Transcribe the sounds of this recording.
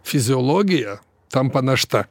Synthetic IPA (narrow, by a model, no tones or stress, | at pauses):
fʲizʲiɔlˠɔɡʲijɐ | t̪ampɐnɐʂt̪a